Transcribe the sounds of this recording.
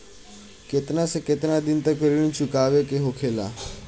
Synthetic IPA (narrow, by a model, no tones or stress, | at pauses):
kɪt̪nãsekɪt̪nãd̪ɪnt̪əkːəɾiñĩt͡ʃʰʊkaːʋekeɦokʰeːla̰ː